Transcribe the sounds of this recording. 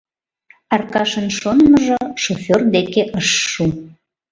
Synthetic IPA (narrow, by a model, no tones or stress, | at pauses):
ɑrkɑʃənʃonməʒoʃofʲord̪ekeʔəʃːu